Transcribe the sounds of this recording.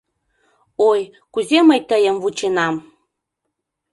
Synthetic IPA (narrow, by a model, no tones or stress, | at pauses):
oj | kuzeməjt̪əjə̆mvut͡ɕenɑm